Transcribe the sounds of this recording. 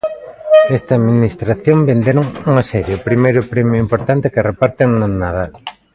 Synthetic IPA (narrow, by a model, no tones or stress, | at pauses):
est̪ɐːðminist̪ɾaθjõmbend̪eɾoŋuŋɐsɛɾjeʊpɾimejɾʊpɾemjʊimpoɾt̪ant̪ɪkerepaɾt̪eŋnanaða